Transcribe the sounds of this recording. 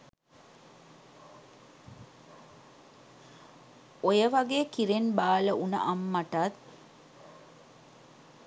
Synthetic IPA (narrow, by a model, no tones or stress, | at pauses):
ojəʋɐɡeːkiɾenbaːləunə̰ʔamːɐʈat̪